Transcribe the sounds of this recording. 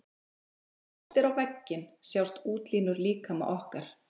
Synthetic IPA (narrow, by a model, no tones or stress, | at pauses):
ɛɛft̪ɪɾawvɛcːɪnsjawst̪uːt̪liːnʏɾliːkamɛ̰ʔɔhkaɾ̥